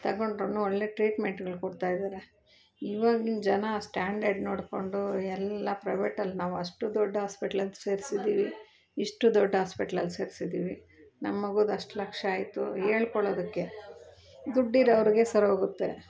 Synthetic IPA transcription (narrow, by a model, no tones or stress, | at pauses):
t̪ɐɡoɳɖɾoːnuoɭːe̞ːʈɾiːʈmeɳʈɡɐɭkoɽt̪aːjid̪aːɾe | iːʋaːɡind͡ʒɐnɐsʈaːɳɖɐɾɖnoːɽko̞ɳɖuɛlːɐpɾɐjʋeːʈɐlːnaːʋuɐʂʈud̪ɔɖːɐɦaːspiʈɐlɐlseːɾisid̪iːʋi | iʂʈud̪ɔɖːɐɦaːspiʈɐlɐlse̞ːɾisid̪iːʋi | nɐmːɐɡud̪ɐʂʈlɐkʂɐaːjt̪ṵɦeːɭkɔɭoːd̪ɐkːe̞ | d̪uɖːiɾɐʋɾiɡe̞sɐɾɦoːɡut̪ːe